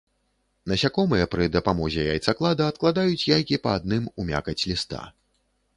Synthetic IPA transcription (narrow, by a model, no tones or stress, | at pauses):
nɐsʲakɔmɨjɛpɾɨd̪ɐpamɔzʲɛja̰jt̪saklˠad̪ɐːt̪̚klˠad̪ajut͡sʲjajkʲipɐːd̪̚nɨmumʲa̰kɐt͡sʲlʲist̪a̰